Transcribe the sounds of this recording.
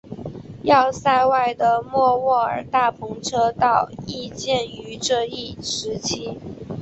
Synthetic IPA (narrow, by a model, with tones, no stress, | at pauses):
jɑ˥˧ʊsa˥˧ɪwa˥˩ɪd̪ə˩mwɔ˥˧wɔ˥˩ə̰˞˨˩t̪a˥˩pʰʊ˧˥ŋʈ͡ʂʰɤ˥t̪ɑ˥˧ʊi˥˧t͡ɕjɛ˥˩ny˧˥ʈ͡ʂɤ˥˧i˥˩ʂɻ̩˧˥t͡ɕʰi˥